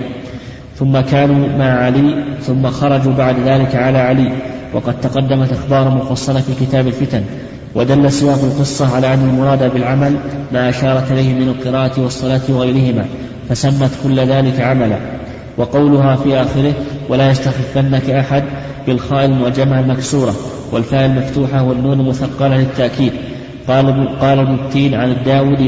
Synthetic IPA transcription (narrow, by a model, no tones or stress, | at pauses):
θʊmːakaːnuːmaʕʕaliːθʊmːaxɑɾˤɑd͡ʒuːbaʕd̪ðaːlɪkaʕalaːʕaliːwʔɑ̰qɑd̪̚t̪ɑqɑd̪ːamat̪ʔaxbɑːɾˤmʊfɑsˤːɑlafiːkɪt̪aːbalfɪt̪an | wʔad̪alːasɨjɑːqalqɨsˤːɑʕalaːʔanːalmʊɾˤɑːd̪abɪlʕamalmaːʔaʃɑːɾˤɑt̪ʔɪlajhɪmɪnalqɨɾaːʔat̪wɑsˤːɑlaːt̪wɑɣajɾɪhɪma̰ː | fasamːat̪kʊlːðaːlɪkaʕamala̰ː | wɑqɑwlʊɦaːfiːʔaːxɪɾɪhwalaːjast̪axɪfːanːakʔaħad̪ | bɪlxaːʔɪlmʊad͡ʒːamahalmaksuːɾˤɑ | walfaːʔɪlmaft̪uːħawanːuːnalmʊθaqːɑllɪt̪ːaʔkiːd̪ | qɑːlabnʊbt̪ːiːnʕanɪd̪ːaːwuːd̪